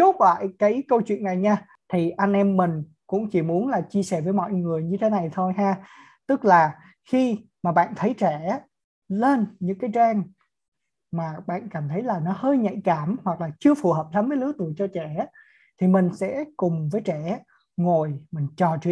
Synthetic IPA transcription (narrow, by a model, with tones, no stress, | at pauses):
t͡ɕo˨˦˥t̚ka̰ː˧˨jkaː˨˦jkə˧wt͡ɕwḭ˧˨əna˨˩jɲaː˧ | t̪ʰi˨˩ʔa˧ŋnʔɛ˧mːï˨˩ŋ̟ | kʊ̰˧˥ŋ͡mt͡ɕi˧˩mu˨˦ənlaː˨˩t͡ɕi˧əsɛ˧˩vəː˨˦jmɔ̰˧˨jŋɨ˨˩əjɲɨ˧t̪ʰe˨˦na˨˩jt̪ʰo˧jɦaː˧ | t̪ɨ˦˥k̚laː˨˩ | xi˧maː˨˩ɓa̰ː˧˨nt̪ʰə˨˦jt͡ɕɛ˧˩˦ | le˧nɲɨ̰˧˥ŋkaː˨˦jzaː˧ŋ | maː˨˩ɓa̰ː˧˨nkaː˧˩mt̪ʰə˨˦jlaː˨˩nɔ˨˦həː˧jɲa̰˧˨jkaː˧˩mhwa˨˩k̚laː˨˩t͡ɕɨ˧əfu˨˩ɦəː˨˩p̚saː˨˦mvəː˨˦jlɨ˨˦ət̪u˨˧˩ət͡ɕɔ˧t͡ɕɛ˧˩˦ | t̪ʰi˨˩mï˨˩ŋ̟sɛ̰˧˥kʊ˨˩ŋ͡mvəː˨˦jt͡ɕɛ˧˩ | ŋo˨˩jmï˨˩ŋ̟t͡ɕɔ˨˩t͡ɕi˧˥˨